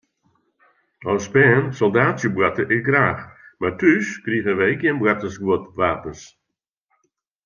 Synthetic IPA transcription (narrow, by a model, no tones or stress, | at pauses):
ɔspɛːnsɔlˠdaːtsjəbwatəʔɪsɡraːxmartʰyskriɣəʋɛɪkjənbwatəsɡwotʋaːpəns